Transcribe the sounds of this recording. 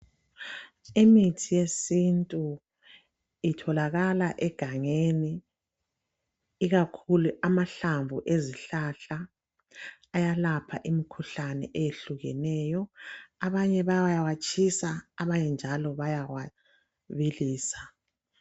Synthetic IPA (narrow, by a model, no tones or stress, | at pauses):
imitʰijesintʼu | itʰɔlaɣalaʔɛɡ̥ʱaŋeni | ɣakʰuluʔamaɬaɱvuʔeziɬaɬa | jalapʰaʔimikʰuɬanɛ̰ʔejeɬuɣɛ̰nɛːjɔaβaɲɛβawajawat͡ʃʼʰisaːβajɛnd͡ʒʱalɔβajawa | βiliːsḁ